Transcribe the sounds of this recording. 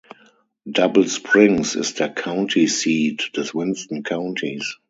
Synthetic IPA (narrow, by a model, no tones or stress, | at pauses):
dabl̩spʰɹɪ̃ŋsɪ̰sðəkʰãʊ̃ntʰisiːtðəswɪ̃nstə̃nkʰãʊ̃ntʰis